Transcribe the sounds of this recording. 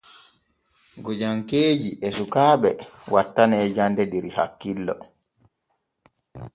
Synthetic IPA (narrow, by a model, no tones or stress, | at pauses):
ɡɔd͡ʒaŋkeːd͡ʒiʔɛsukaːɓɛwatːanɛːd͡ʒandɛdiɾiha̰kːilːɔ̰